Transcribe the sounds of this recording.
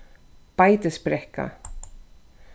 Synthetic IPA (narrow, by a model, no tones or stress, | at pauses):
pajt̪əspɾɛhka̰